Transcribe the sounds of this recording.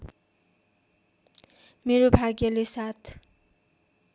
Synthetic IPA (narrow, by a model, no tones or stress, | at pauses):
meɾobʱaɡjʌlesat̪ʰ